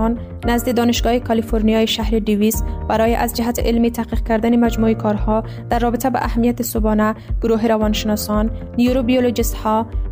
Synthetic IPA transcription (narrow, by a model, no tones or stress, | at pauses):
nː | azd̪id̪ɔnɪʃɡɒekalifoɾnijɒjiʃahɾid̪ivisbaɾɔjeʔazd͡ʒɪɦat̪ḭʔɪlmit̪ʰaqiq̚kaɾd̪animad͡ʒmuikʰɒɾhɔ | d̪̥aɾːɔbɪt̪aba̰ʔahmijat̪isubɔnaɡ̥ʊɾuɦiɾavɒnʃɪnɔsɔnː | ijuɾobijolod͡ʒist̪hɔ